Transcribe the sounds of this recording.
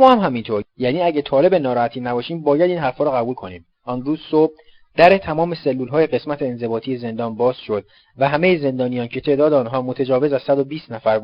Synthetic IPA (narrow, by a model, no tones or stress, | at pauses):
mɒːhæmɦæmint̪ʰoɾjæːniːæɟæt̪ʰɒːle̞benɒːɾɒːhæt̪ʰiːnæbɒːʃiːmbɒːjæd̪iːnɦæɾfɒːɾɔːɣæbuːlkʰo̞niːm | ʔɒːnɾuːzsob̚ | d̪̥æɾet̪ʰæmɒːme̞selːuːlɦɒːje̞ɣe̞smæt̪ʰeːnze̞bɒːt̪ʰiːje̞ze̞nd̪ɒːnbɒːz̥ʃo̞d̪̚ | væɦæmejeze̞nd̪ɒːnijɒːncʰe̞t̪ʰe̞ʔd̪ɒːd̪eɒːnɦɒːmot̪ʰed͡ʒɒːve̞zæz̥sæd̪o̞biːst̪næfæɾ